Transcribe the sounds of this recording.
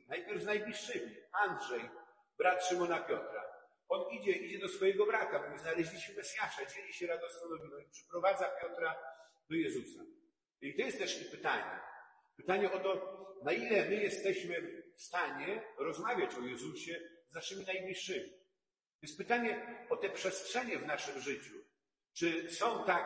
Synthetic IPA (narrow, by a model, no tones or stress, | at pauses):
najpʲjɛɾvznajblʲiʂːɘmʲiand̪ʐɛj | bɾat̪ʂɨmɔnapʲjɔt̪ɾa̰ | ɔnid͡ʑɛid͡ʑɛd̪ɔsfɔjɛɡɔbɾakabɔɲznalɛʑlʲiɕɛmɛsʲjaʂad͡ʑelʲiɕɛɾad̪ɔst̪fɔnɔvʲinɔipʂɛ̥pɾɔvad̪zapʲjɔt̪ɾa | d̪̥ɔjɛzusa̰ | it̪ɔjɛst̪ːɛʂipɘt̪aɲɛ̰ | pɘt̪aɲɛɔt̪ɔnailɛmɘjɛst̪ɛɕmɘfst̪aɲɛɾɔzmavʲjat͡ɕɔjɛzuɕɛznaʂɘmʲinajmɲʲiʂɘmʲi | tjɛnspɘt̪aɲɛɔt̪ɛpʂɛstʂɛɲɛvnaʂɘmʐɘt͡ɕu | t͡ʂɘsɔ̃w̃t̪a